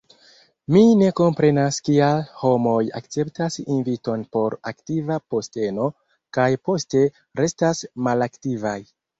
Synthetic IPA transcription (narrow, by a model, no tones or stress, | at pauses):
mine̞ko̞mpɾe̞naskialho̞mo̞ja̰kt͡se̞ptasinvito̞npo̞ɾaktivapo̞ste̞no̞ | kajpo̞ste̞ | ɾe̞stasmalaktivaj